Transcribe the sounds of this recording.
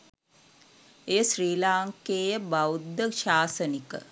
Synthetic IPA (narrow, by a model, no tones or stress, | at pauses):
eːəʃriːlaːŋkeːjəbawd̪ːəʃaːsənikə̰